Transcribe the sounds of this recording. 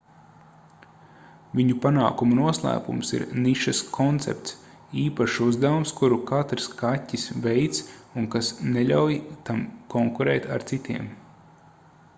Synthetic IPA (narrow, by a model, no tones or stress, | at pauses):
vʲiɲupana̰ːkumunuɔslˠa̰ːkṵmsḭɾniʃaskʰɔnt̪sɛ̰p̚t̪s | iːpaʃuzd̪avumskuɾukat̪ɾskatʲːisvɛjt̪sunkasneʎʲawjt̪amkɔŋkuɾɛːt̪a̰ɾt̪sit̪iɛm